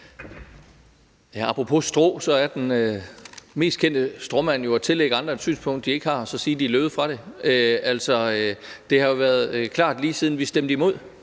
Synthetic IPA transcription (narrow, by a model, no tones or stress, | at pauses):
jæɑ̈pʰʁopʰo̝sd̥ʁo̰ːsɒ̽æɐd̥enøme̝̰ːsd̥kʰen̰d̥əsd̥ʁɒmæn̰jo̝æt͡sʰe̝leɡ̥əɑ̈nd̥ʁɐed̥sy̰ːnsb̥ʰɔ̽ŋ̰d̥ːie̝ɡ̥əhɑ̈ɒ̽sɒ̽siːɐd̥iløːð̩ˠfʁɑ̈ɾ̥e̝øæl̰sɒ̽ød̥e̝hɑ̈jo̝ʋæːɐð̞̩ˠkʰlɑ̰̈ːd̥liːsiːð̞ˠn̩ʋisd̥emd̥əimo̝ð̞̰ˠ